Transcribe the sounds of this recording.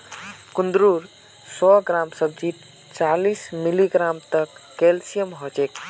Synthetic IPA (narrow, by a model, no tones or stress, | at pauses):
kund̪ɾuɾ | sɔɡɾamsəb̚d͡ʒit̪̚ | t͡ʃalismiliɡɾamt̪əkːelsijəmɦɔt͡ʃek